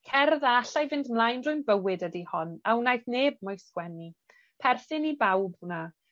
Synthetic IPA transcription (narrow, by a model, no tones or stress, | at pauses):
kʰɛrðaaɬajvɪndmlˠajnrʊɨnbəwɪdədihɔnawnajθneːb̚mɔjskwɛni | pʰɛrθɪnibawb̚una